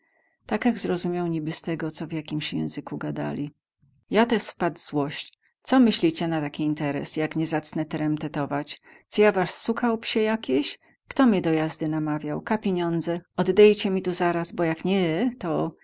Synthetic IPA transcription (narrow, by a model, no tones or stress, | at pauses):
t̪akjaɡzɾɔzumʲjawɲibɘst̪ɛɡɔt̪sɔvʲjakʲimɕjɛ̰̃w̃zɘkuɡad̪a̰lʲi | jat̪ɛʂfpad̪zwɔɕt͡ɕ | t̪sɔmɘɕlʲit͡ɕɛnat̪akʲiːnt̪ɛɾɛ̰sjakɲɛzat̪snɛt̪ɛɾɛmt̪ɛt̪ɔvat͡ɕ | t͡sɔjavaʂsukawpɕɛjakʲeɕ | kt̪ɔmʲɲɛd̪ɔjazd̪ɘnamavʲjawkapʲjeɲɔnd̪zɛɔd̪ːɛjt͡ɕɛmʲit̪uzaɾasbɔjakɲɛt̪ɔ